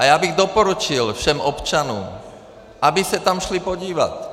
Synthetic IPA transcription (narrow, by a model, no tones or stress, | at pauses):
ajabiɣd̪ɔpɔɾut͡ʃilfʃɛmɔpt͡ʃanɔ̰ːm | ʔabisat̪amʃlipɔɟiːʋa̰t